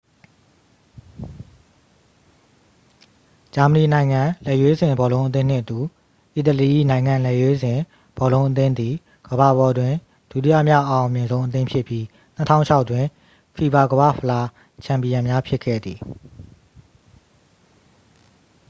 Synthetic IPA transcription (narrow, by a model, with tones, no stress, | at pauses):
d͡ʑa˨mə˨ni˨nã˨ɪ̃ŋã˨lɛ˨jwe˦zɪ̃˨mbɔ˨lõ˦ʊ̃ʔət̪̬ɪ̃˦n̥ɪ̰̃˦˨ʔət̪u˨ | ʔi˨t̪ə˨li˨ʔḭ˦˨nã˨ɪ̃ŋã˨lɛ˦˨jwe˦zɪ̃˨ | b̥ɔ˨lõ˦ʊ̃ʔət̪ɪ̃˦nd̪i˨ | ɡ̥əba˨bɔ˨dwɪ̃˨ | d̥ṵ˦ʔti˦ä̰˦˨mja˦˨ʔã˨ʊ̃˨mjɪ̃˨nzõ˦ʊ̃ʔət̪̬ɪ̃˦mpʰjɪ˦˨pji˦ | n̥ə˦tʰã̰˦ʊ̃˨t͡ɕʰa˦ʊtːwɪ̃˨ | fʰi˨ba˨ɡəβä̰˦˨pʰə˨la˦ | t͡ɕʰã˨mpi˨jã˨mja˦pʰjɪ˦kʰːɛ̰˦˨d̪ði˨